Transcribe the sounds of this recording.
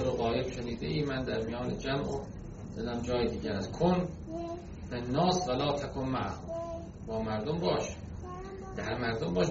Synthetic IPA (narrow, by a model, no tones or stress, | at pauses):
ɾoɣɒːjebʃeniːd̪ḛʔiːmænd̪æɾmijɒːned͡ʒæmʔo | d̪ed̪æmd͡ʒɒːjed̪iːɟʲæɾæzkʰon | fenːɒːsvælɒːt̪ʰækʰonmaʕh | bɒːmæɾd̪ombɒːʃ | d̪̥æɾmæɾd̪ombɒːʃ